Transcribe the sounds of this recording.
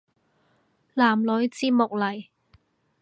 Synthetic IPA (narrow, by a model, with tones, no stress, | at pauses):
laː˨˩mlɵ˨˥ɥt͡siː˥mʊ˨k̚lɐ˨˩j